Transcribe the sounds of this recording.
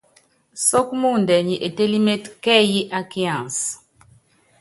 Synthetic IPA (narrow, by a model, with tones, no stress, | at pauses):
sɔ˦kmu˦˨ndɛ˨ɲi˨ʔe˨te˦li˦me˦tkɛ˦ji˦ʔa˦ki˦ã˨s